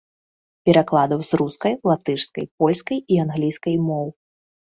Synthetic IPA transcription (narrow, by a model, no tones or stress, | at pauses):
pʲɛɾaklˠad̪ɐwzruskɐjlˠat̪ɨʂskɐjp̚ɔlʲskɐjianɣlʲijskɐjmɔw